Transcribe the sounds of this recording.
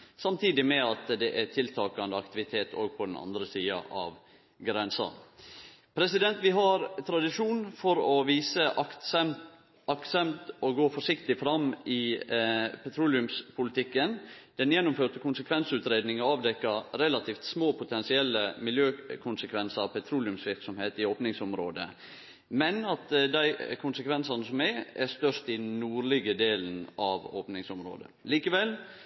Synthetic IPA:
sɑmt̪ʰiːd̪ɪmɛɑt̪d̪ɛʔæt̪ʰɪlt̪ʰɑːkɑnd̪əɑkt̪ɪʋɪt̪ʰeːt̪ʰo̰ːɡ̚pʰɔd̪ɛnɑ̰nd̪ɾəsiːɑ̰ʔɑ̰ʋ | ɡɾɛnsɑ̰n | pʰɾɛsɪd̪ɛnt̪ʋɪɦɑɾt̪ʰɾɑd̪ɪʂuːnfɔɾɔʋiːsə | ʔɑksɛmt̪ɔɡoːfɔʂɪkt̪ɪfɾɑmːɪ | pʰɛt̪ʰɾuːlɪʉmspʰʊlɪt̪ʰɪkːənd̪̥ɛnjɛnːʊmføːt̪əkʰʊnsəkʰʋɛnsʉːt̪ɾeːd̪nɪŋəɑːʋd̪ɛkːəɾɛlɑt̪ʰiːft̪smoːpʰʊt̪ʰɛnsɪɛlːəmɪljøːkʰʊnsəkʰʋɛnsəɾɑpʰɛt̪ʰɾuːlɪʉmsʋɪɾksɔmheːt̪ɪoːpnɪŋsɔmɾoːd̪ə̰ | mɛnɑt̪d̪æɪkʰʊnsəkʰʋɛnsɑnəsɔmɛɾæst̪œʂt̪ɪnuːɾlɪɡəd̪eːln̩ɑʋo̰ːpnɪŋsɔmɾo̰ːd̪ə̰liːkəʋɛl

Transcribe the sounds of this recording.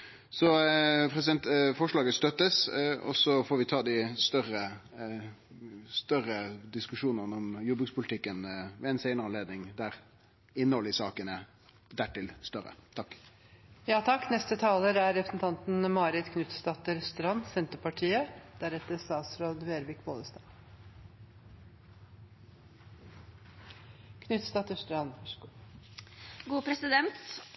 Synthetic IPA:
sɔpʰɾɛsɪd̪ɛnt̪fɔʂɭɑːɡəst̪œt̪ːəsɔ̰sɔfɔːɾʋɪt̪ʰɑːd̪ɪst̪œɾə | st̪œɾəd̪ɪskʉʂuːnənɔmjɔbːʉɡspʊlɪt̪ɪkːənʋɛɛɪnsæɪnəɾəɑnleːd̪nɪŋd̪æɾ | ɪnəhɔlːəɪsɑːkənə | d̪æʈɪlst̪œɾə̰t̪ʰɑkː | jɑːt̪ʰɑkːnɛst̪ət̪ʰɑːləɾæɾɾɛpɾə̥sn̩t̪ʰɑnt̪nmɑːɾɪt̪kʰnʉt̪st̪ɑt̪əɾst̪əɾɑnsɛnt̪əpɑʈʰiːəd̪̥æɾɛt̪ːəɾst̪ɑːsɾoːd̪ʋeːɾʋɪkʋoːd̪əst̪ɑː | kʰnʉt̪st̪ɑt̪əst̪əɾɑnɔʂɡ | ɡuːpʰɾɛsɪd̪ɛnt̪

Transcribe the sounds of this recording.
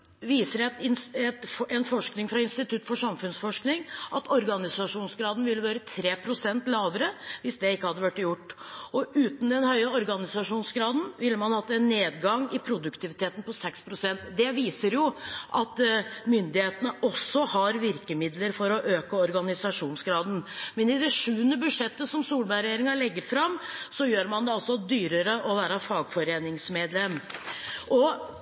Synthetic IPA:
ʋiːsəɾɛt̪ɪɛt̪ɛnfɔʂknɪŋfɾɑɪnst̪ɪt̪ʰʉt̪ːfɔʂɑmfʉnsfɔʂknɪŋʔɑt̪ʰɔɾɡɑnɪsɑʂuːnsɡɾɑːd̪nʋɪlːəʋɑːɾət̪ʰɾeːpʰɾʊsɛnt̪lɑːʋəɾəʋɪsd̪ɛɪkːəhɑd̪ːəʋæʈːjʊʈːɔʔʉːt̪n̩d̪ɛnhœʏəɔɾɡɑnɪsɑʂuːnsɡɾɑːd̪n̩ʋɪlːəmɑnhɑt̪ːəɛnːeːd̪ɡɑŋːɪpʰɾʊd̪ʉkt̪ʰɪʋɪt̪ʰeːt̪n̩pɔsɛkspʰɾʊsɛnt̪d̪ɛʋiːsəɾjʊʔɑt̪mʏnd̪ɪheːt̪ənəʔɔsɔhɑɾʋɪɾkəmɪd̪ləɾfɔɾɔʔøːkəɔɾɡɑnɪsɑʂuːnsɡɾɑːd̪n̩mɛnɪd̪ɛʂʉːənəbʉd̪ʂɛt̪ːəsɔmsuːlbæɾɛjeːɾɪŋɑlɛɡːəɾfɾɑmːsɔjøːɾmɑnd̪ɛɑlsɔd̪yːɾəɾəʔɔʋæːɾɑfɑːɡfɔɾeːnɪŋsmeːd̪lɛmː | ʔɔ

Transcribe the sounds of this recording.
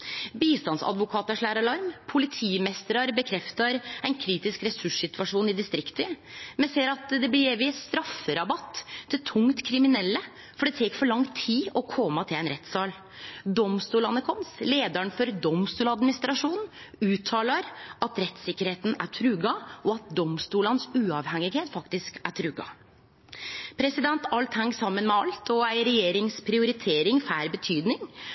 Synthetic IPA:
biːst̪ɑnsɑ̰d̪ʋʊkʰɑːt̪əʂɭæːɾɑlɑɾmpʰʊlɪt̪ʰiːmɛst̪ɾɑɾbəkʰɾɛft̪ɑɾæɪnkʰɾiːt̪ɪskɾɛsʉʂsɪt̪ʉɑʂuːnɪd̪ɪst̪ɾɪkt̪ʰəmɛnseːəɾɑt̪d̪ɛblɪeʋɪst̪ɾɑfːəɾɑbɑt̪ʰːɪlt̪ʰʊŋt̪kʰɾɪmɪnɛlːə | fɔɖɛt̪ʰeːkfɔɭɑŋt̪ʰiːɔkʰɔmːɑt̪ʰɪlæɪnɾɛt̪ːsɑːl | d̪ɔmst̪uːlɑnəkʰɔmsleːd̪əɳfɔɾd̪ɔmst̪uːlɑd̪mɪnɪst̪ɾɑʂuːn | ʉːt̪ʰɑːləɾɑt̪ɾɛt̪sɪkːəɾheːt̪n̩æʈʰɾʉːɡɑʔɔɑt̪̚d̪ɔmst̪uːlənsʉːɑʋhɛŋːɪɡheːt̪fɑkt̪ɪskæʈʰɾʉɡɑ̰ | pʰɾɛsɪd̪ɛnt̪ɑlt̪hɛŋːsɑmːənmɛɑlt̪ʰɔæɪɾɛjeːɾɪŋspʰɾɪʊɾɪt̪ʰeːɾɪŋfæːɾbət̪ʰyːd̪nɪŋ

